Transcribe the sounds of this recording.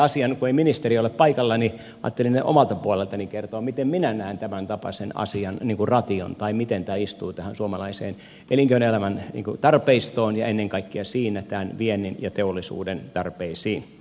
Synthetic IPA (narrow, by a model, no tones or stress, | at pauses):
ɑsiɑnkueiminist̪erioleppɑikɑlːɑni | ɑ̰ːt̪ːelinneʔo̰mɑlt̪ɑpuolelt̪ɑnikert̪oːmit̪emminænæˑːnt̪æmænt̪ɑpɑ̰senɑ̰siɑnniːŋkurɑt̪io̰nt̪ɑimit̪ent̪æːist̪uːt̪æhænsuomɑlɑisḛːn | ʔeliŋkøynelæmænnḭːŋkut̪ɑrpeist̪oːnjɑenːeŋkɑikːiɑsiːnæt̪æːnʋienːˑinjɑt̪eolːisṵːdent̪ɑrpeisiːn